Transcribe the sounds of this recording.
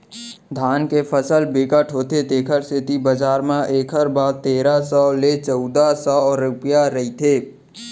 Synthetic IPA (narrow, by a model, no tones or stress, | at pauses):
d̪ʱaːnkepʰəsəlbeːkəʈʰɦoːt̪ʰet̪eːkʰəɾsɪt̪ibəd͡ʒaːɾmãʔeːkʰəɾbaːɾt̪eːɾasɔːlet͡ʃɔʊd̪asɔːɾʊpjaɾəɦit̪ʰeː